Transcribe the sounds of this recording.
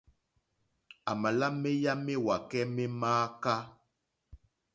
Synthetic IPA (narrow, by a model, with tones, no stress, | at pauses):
a˨ma˨la˦me˦ja˦me˦wa˨kɛ˦me˦maː˦ka˦